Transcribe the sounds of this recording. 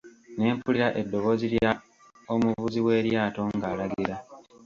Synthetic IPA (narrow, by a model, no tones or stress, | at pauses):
ne̞ːmpuliɾaʔe̞dːo̞βo̞ːzilja | omuvuziwe̞ːɾjaːto̞ŋɡaːlaɡiɾa